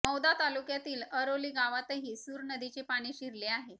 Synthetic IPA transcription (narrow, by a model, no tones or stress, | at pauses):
məwd̪at̪alukjat̪iːləɾoliːɡaʋat̪eɦiːsuːɾnəd̪it͡ɕepaɽ̃iːɕiɾleaɦe